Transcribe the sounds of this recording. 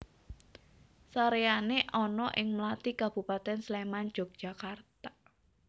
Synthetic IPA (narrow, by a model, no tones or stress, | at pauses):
saɾeaneʔɔnɔʔɪŋmlat̪ikab̥ṳpat̪ɛnslemand̥ʒ̥ɔ̤k̚d̥ʒ̥a̤kart̪ḁ